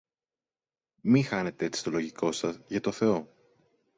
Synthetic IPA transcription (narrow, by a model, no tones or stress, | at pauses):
mixɐne̞t̪eet͡si̥st̪o̞lo̞ʝiko̞sɐzʝɐt̪o̞θe̞o̞